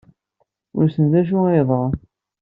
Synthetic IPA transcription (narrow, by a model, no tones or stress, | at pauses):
ʊ̰ɾsənd̪æʒ̬ʊeðˤə